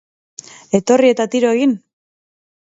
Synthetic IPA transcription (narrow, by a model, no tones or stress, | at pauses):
e̞t̪o̞rie̞t̪at̪iɾoe̞ɣin